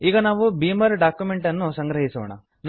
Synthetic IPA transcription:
iːɡɐnaːʋubiːmɐɾɖaːkjumeɳʈɐnːusɐŋɡɾɐɦisɐʋɐɳɐ̰ | n

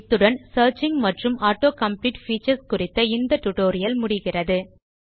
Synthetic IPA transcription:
t̪ːɯɽɐnsɐːɾt͡ʃɪŋɡmɐʈrɯmʔaːʈːoːkɐmpliːʈfiːt͡ʃɐɾskʊrɪt̪ːɐɪnd̪ɐʈːʊʈoːɾɪjɐlmʊɽɪɣɪrɐðɯ

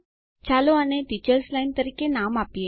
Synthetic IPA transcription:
t͡ɕaloəneʈit͡ɕəɾslaint̪əɾikenamapje

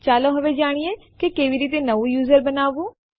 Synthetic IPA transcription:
t͡ʃaːlõːɦəʋeːd͡ʒaːɽ̃ijeːkekeːʋiːɾiːt̪̬eːnəʋũjuːzəɾbənaːʋũː

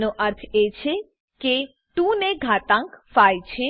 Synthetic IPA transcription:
noʔəɾt̪ʰet͡ʃʰe | ke | t̪ũneɡʱat̪ãŋkfajt͡ʃʰe

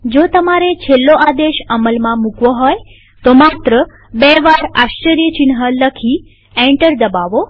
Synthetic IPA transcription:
d͡ʒot̪əmaɾet͡ʃʰelːoʔad̪eʃəməlmãmukʋoɦɔj | t̪omat̪ɾə | bɛʋaɾaʃt͡ʃəɾijət͡ʃɪnɦələkʰi | ɛ̃ɳʈəɾd̪əbaʋo

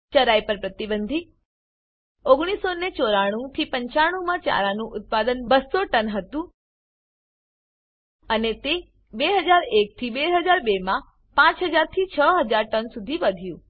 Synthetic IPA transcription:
t͡ʃəɾajpəɾpɾət̪ibənd̪ʱi | oɡɽ̃isonet͡ʃoɾaɽ̃ũt̪ʰipəɲt͡ʃaɽ̃ũmãt͡ʃa̰ɾanũʔʊt̪̚pad̪ənbəsoʈənɦət̪ũ | ənet̪e | beɦəd͡ʒaɾek̚t̪ʰibeɦəd͡ʒaɾbemã | pãt͡ʃɦəd͡ʒaɾt̪ʰit͡ʃʰəɦəd͡ʒaɾʈənsud̪ʱiʋəd̪ʱjũ

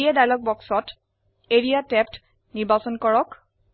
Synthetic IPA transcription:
iadajlɔk̚bɔksɔt | eɹijatɛp̚t | niɹbasɔnkɔɹɔk

